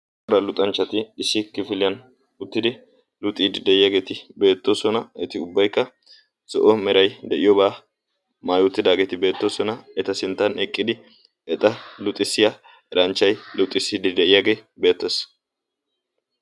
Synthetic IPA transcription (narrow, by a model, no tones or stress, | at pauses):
ɔɾɐlʊt̪ʼɐnt͡ʃːɐt̪ɪːsːɪkɪfɪlɪjɐn | ʊt̪ːɪd̪ɪ | lʊt̪ʼːiːd̪ɪd̪ɛʔɪjaɡe̞ːt̪ɪbe̞ːt̪ːoːsɔnɐɛt̪ɪʊbːɐjkːɐ | sɔʔɔmɛɾɐjd̪ɛʔɪjɔbaː | maːjʊt̪ːɪd̪aːɡe̞ːt̪ɪbe̞ːt̪ːoːsɔnɐɛt̪ɐsɪnt̪ːɐnɛkʼːɪd̪ɪ | ɛt̪ʼɐlʊt̪ʼːɪsːɪja | ɛɾɐnt͡ʃːɐjlʊt̪ʼːɪsːiːd̪ɪd̪ɛɪjaɡe̞ːbe̞ːt̪ːeːs